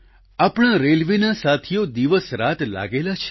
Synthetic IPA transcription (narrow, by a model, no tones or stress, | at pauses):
apɽ̃ãɾelʋinasat̪ʰijod̪iʋəsɾat̪la̰ɡelat͡ʃʰe̥